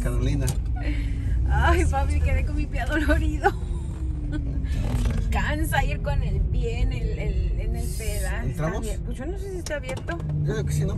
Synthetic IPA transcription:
kaɾolina | ajpaβlikeðejkonmipjaðo̞lo̞ɾiðo | kansaiɾko̞nelpjeːnelelenelpeðaent̪ɾamoeposʝo̞nosesiest̪eaβje̞ɾt̪ooðeokesino

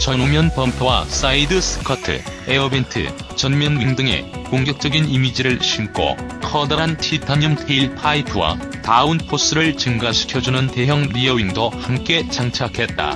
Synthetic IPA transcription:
t͡ɕʌnomjʌnpʌmpʰjowa̰s͈aidɯs͈ʰɯ̥kʰatʰɯ̰eʌbentʰɯ̰ | t͡ɕʌnmjʌnɥiŋdɯŋe̞̰koŋɡjʌk̚t͡ɕ͈ʌɡinimid͡ʑiɾɯɭɕʰimkʰo̰ | kʰʌdaɦantʰitʰaɲɯmtʰeiɭpʰaipʰɯwa̰ | taunpʰos͈ɯɾɯɭt͡ɕɯŋɡaɕʰi̥kʰjʌd͡ʑunɯnte̞ɦjʌŋɾiʌiŋdohamk͈e̞t͡ɕaŋt͡ɕʰakʰe̞t̚t͈a̰

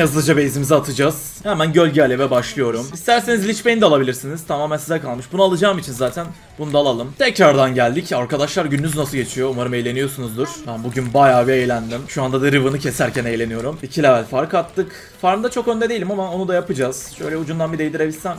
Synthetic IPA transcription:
jazlˠɯd͡ʒabejizimizɛat̪ʰɯd͡ʒaz̥ | hɛmænɟø̞lʲɟɛalʲevɛbaʃlˠɯjo̞ɾumist̪ʰæɾseizlʲit͡ʃmejind̪ɛalˠabilʲiɾsiniz̥t̪ʰamaːmænsizɛkalˠmɯʃbunualˠɯd͡ʒaːɯmit͡ʃʰinzaːt̪ʰæn | bunud̪aːlˠalˠɯmt̪ʰɛcɾaɾd̪anɟælʲd̪icaɾkad̪aʃlˠaɾɟynːyznasɯɟe̞t͡ʃʰijo̞umaɾɯme̞jlʲe̞nijo̞sunuzd̪ɯɾ̥hæbuɟynbajaːviejlʲænd̪imʃuand̪ad̪aɾɯvɯnɯcʰe̞sæɾcʰæne̞jlʲe̞nijo̞ɾumicʰilʲɛvælʲfaɾkat̪ʰːɯk | faɾmd̪at͡ʃʰo̞kønd̪ɛd̪eilʲimamao̞nud̪ajapɯd͡ʒaz̥ʃø̞jlʲɛud͡ʒund̪anbid̪ejd̪ʲiɾebilʲsæm

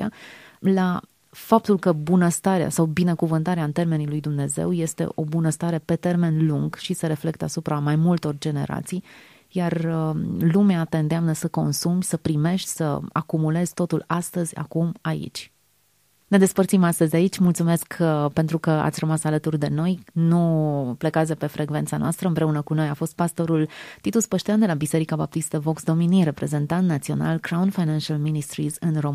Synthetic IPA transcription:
ia̰la | fap̚t̪ulkəbunəst̪aɾea̰sawbinekuvɨnt̪aɾeaɨnt̪e̞rme̞nilujd̪umne̞ze̞̰wje̞st̪e̞̰ʔo̞bunəst̪aɾe̞pe̞t̪e̞rme̞nluŋɡʃisəɾe̞fle̞k̚t̪asupɾamajmult̪o̞rd͡ʒe̞ne̞̰ɾa̰t̪sij | jarəlumeat̪e̞ɨnd̪eamnəsəko̞nsumʲsəpɾime̞ʃt̪ʲsə̰a̰kumule̞z̥ʲt̪o̞t̪ulast̪əzʲa̰kumaḭt͡ʃʲ | ne̞d̪e̞spərt̪simast̪əzʲait͡ʃʲmult̪sume̞skʰpe̞nt̪ɾukəa̰t̪sʲrəmasalət̪urd̪e̞no̞jnuplekazepe̞fɾe̞ɡve̞nt̪sanoast̪ɾəɨmpɾe̞unəkuno̞jafo̞st̪̚past̪o̞ɾult̪it̪uspəʃt̪eand̪e̞labise̞ɾikabap̚t̪ist̪əvo̞ksd̪o̞miniɾe̞pɾe̞ze̞nt̪ant̪nat̪sio̞̰na̰lkɾaunfajnanʃalminist̪ɾizɨnrom

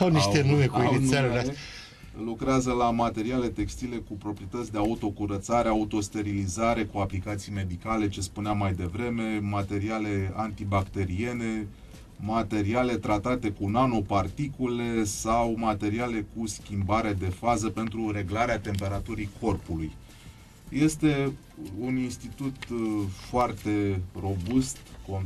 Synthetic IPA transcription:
awniʃt̪enumekainae | lukɾeazəlamat̪e̞ɾiale̞t̪e̞kst̪ile̞kupɾo̞pɾijet̪ət̪sʲd̪e̞aut̪o̞kuɾət̪saɾeaut̪o̞st̪e̞ɾilizaɾe̞kuaplikat̪sijme̞d̪ikale̞t͡ʃe̞spuneamːajd̪e̞vɾe̞me̞mat̪e̞ɾiale̞ant̪ibakt̪e̞ɾie̞ne̞ | mat̪e̞ɾiale̞t̪ɾat̪at̪e̞kunano̞part̪ikule̞sawmat̪e̞ɾiale̞kuskʲimbaɾed̪e̞fazəpe̞nt̪ɾuɾe̞ɡlaɾeat̪e̞mpe̞ɾat̪uɾikʰo̞rpuluj | je̞st̪e̞ | uninst̪it̪ut̪foart̪e̞ro̞bust̪kon

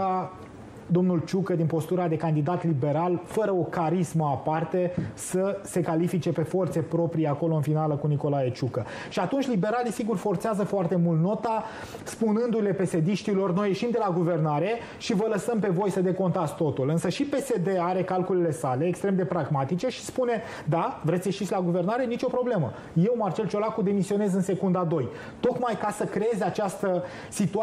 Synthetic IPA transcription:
a | d̪o̞mnult͡ʃukəd̪inpo̞st̪uɾad̪e̞kand̪id̪at̪libe̞ɾalfəɾəo̞kaɾisməapart̪e̞səse̞kalifit͡ʃe̞pe̞fo̞rt̪se̞pɾo̞pɾiako̞lo̞ɨnfinaləkuniko̞lajet͡ʃukə | ʃiat̪unt͡ʃʲlibe̞ɾalisiɡurfo̞rt̪seazəfoart̪e̞mult̪no̞t̪a | spunɨnd̪ule̞pe̞se̞d̪iʃt̪ilo̞rno̞je̞ʃimd̪e̞laɡuve̞rnaɾe̞ | ʃivələsəmpe̞vo̞jsəd̪e̞ko̞nt̪at̪sʲt̪o̞t̪ulɨnsəʃipe̞se̞d̪e̞aɾe̞kalkulele̞sale̞ːkst̪ɾemd̪e̞pɾaɡmat̪it͡ʃe̞ʃi̥spune̞ | d̪avɾe̞t̪sjeʃit̪sʲlaɡuve̞rnaɾe̞nit͡ʃo̞pɾo̞ble̞mə | jewmart͡ʃe̞lt͡ʃo̞lakud̪e̞misio̞ne̞zɨnse̞kund̪ad̪o̞j | t̪o̞kmajkasəkɾeezʲat͡ʃast̪ə | sit̪ua

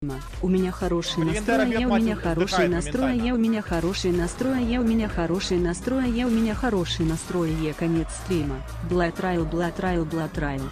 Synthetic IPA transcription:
mɐ | umʲanʲaxaɾɔʂɨjɐnast̪ɾɔjɐjɛumʲɛnʲaxaɾɔʂɨjnast̪ɾɔjɐjɛwmʲɛnʲaxaɾɔʂɨjnast̪ɾɔjɐjɛwmʲanʲaxaɾɔʂɨjɐnast̪ɾɔjɐjɛwmʲɛnʲaxaɾɔʂɨjnast̪ɾɔjɐjɛkanʲɛt̪st̪ɾʲimɐ | bɨlˠat̪ɾajɛlˠbɨlˠat̪ɾajɛlˠbɨlˠat̪ɾajɛlˠ

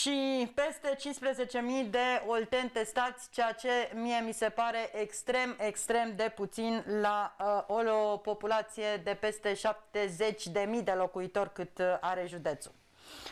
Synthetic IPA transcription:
ʃipe̞st̪e̞t͡ʃinspɾeze̞t͡ʃe̞mid̪e̞olt̪e̞nt̪e̞st̪at̪sʲt͡ʃeat͡ʃe̞mije̞mise̞paɾe̞ʔekst̪ɾe̞mekst̪ɾe̞md̪e̞put̪sinlaolopo̞pulat̪sije̞d̪e̞pe̞st̪e̞ʃap̚t̪e̞ze̞t͡ʃʲd̪e̞mid̪e̞lo̞kuit̪o̞rʲkɨt̪aɾe̞ʒud̪e̞t̪su̥

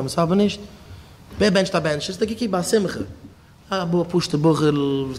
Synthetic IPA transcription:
ɛməsɔbənɪʃt̚ | beːbɛnʃtabɛnʃɪsdɪɡɪkibasɪmχə | abuːpuʃtəbʊχəɾlvuːs

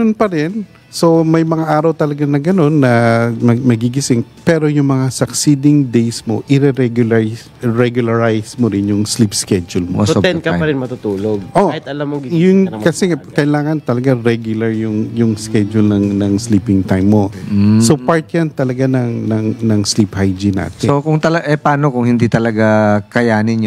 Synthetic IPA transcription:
onpɐɾɪn | so̞mɐjmɐŋaʔaːɾɐwt̪ɐlɐɡanɐɡɐno̞nːɐ | mɐɡiɡɪsɪŋpɛɾo̞jʊŋmɐŋasɐksid̪ɪŋd̪ejsmo̞̰ʔɪɾɛɾɛɡʊl | ɹɛɡjʊlɐɹajsmoɾɪnjʊŋslipskɛd͡ʒʊlmosot̪ɛnkɐpɐɾɪnmɐt̪ut̪uːloɡ̚ʔohɪt̪ɐlamːoɡijʊŋkɐsɛkɐjlaːŋɐnt̪ɐlɐɡaɾɛɡjʊlɐɹjʊŋjʊŋskɛd͡ʒʊlnɐŋnɐŋsliːpɪŋt̪ajmːo̞sopaɹt̪jant̪ɐlɐɡanɐŋnɐŋnɐŋsliphajd͡ʒɪna̰ːt̪ɛokʊŋt̪ɐlɐʔɛpɐaːnokʊŋhɪnd̪it̪ɐlɐɡakɐjaːnɪn

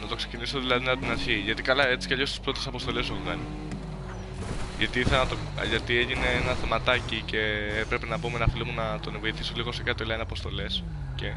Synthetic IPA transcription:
nɐt̪o̞kse̞̥ciniso̞ðilɐðinɐpot̪inɐɾçiʝɐt̪ikɐlɐe̞t͡si̥cɐʎo̞st̪i̥spɾo̞t̪esɐpo̞st̪o̞le̞soçukɐni | ʝɐt̪iiθelonɐt̪o̰ | ʝɐt̪ie̞ʝine̞enɐθe̞mɐt̪ɐcice̞epɾepe̞nɐpomenɐfilimunɐt̪o̞nevo̞iθisoliɣo̞sekɐt̪olɐineɐpo̞st̪o̞le̞s | ce̞

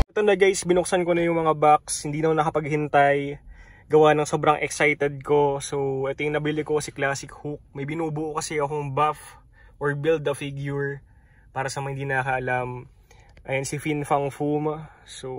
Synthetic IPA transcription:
ɐt̪onɐɡajsbɪnʊksɐnkonɐjʊŋmɐŋabak̚shɪnd̪iːɐonɐkɐpɐɡhɪnt̪ajɡɐwanɐŋso̞ːbɾɐŋʔɛksajt̪ɛd̪̚ko̞soʔɛt̪ojŋnɐbɪlɪkokɐsɛklaːsɪkhuk̚mɐjbɪnuːbʊʔkɐsɛɐkoŋbaf | ʔoɹbild̪̚ɐfiɡjʊɹ | paːɾɐsɐmɐhɪnd̪iːnɐɐkɐʔɐlam | ʔɐjɐnsɪfinfɐŋfumaso

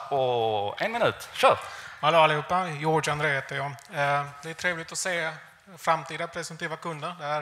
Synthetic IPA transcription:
ɔɛnmɪnʉ̟ːt̪ɕœːɾalːalːɪhɦuːpːajɔːɖanɾeːɦeːt̪əjɑ | d̪ɛːʈ̪ʰɾeːvlɪt̪ɔseː | fɾamt̪ʰiːd̪apʰɾɛsɛnt̪ʰiːvakʰɵnd̪əɾd̪ɛæɾ

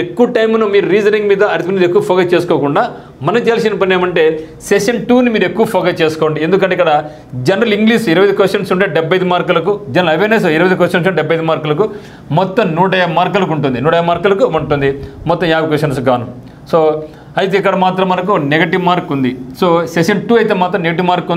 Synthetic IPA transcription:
ekːuʋɐʈɐjmnumiːɾuɾiːd͡ʒɐniŋɡmiːd̪ɐɐɾit̪imiːd̪ekːuʋɐpʰɔːɡɐt͡ʃeːsu̥koːkuɳɖaː | mɐnɐmt͡ʃeːls̬enipɐnːeːmɐɳʈe̞ː | seʂɐnʈuːnimiːɾue̞kːuʋɐpʰɔːɡɐt͡ʃe̞ːsu̥koʋɐɳɖiend̪ukɐɳʈeikːɐɽɐ | d͡ʒɐnɐɾɐliŋɡliːʂiɾɐʋɐjd̪ikʋesʈːɐnsuɳʈeːɖɛbʱɐjd̪imaːɾkɐlɐkud͡ʒɐnɐlɐʋeːnesoːiɾɐʋɐjd̪ikʋesʈɐns̬ɖɛbʱːɐjd̪imaːɾkɐlɐku | mɔt̪ːɐmnuːʈɐjaːmaːɾkɐlɐk̬uɳʈund̪inuːʈɐjaːmaːɾkɐlɐkuuɳʈund̪imɔt̪ːɐmjaːbɐkʋesʈɐns̬ɡaːnum | soː | ɐjt̪̬eːik̬ːɐɽɐmaːt̪ɾɐmːɐnɐk̬uneɡɐʈiʋmaːɾkːund̪isoːsekʂɐɳʈuːɐjt̪eːmaːt̪ɾɐmneɡɐʈ̬iʋmaːɾkː

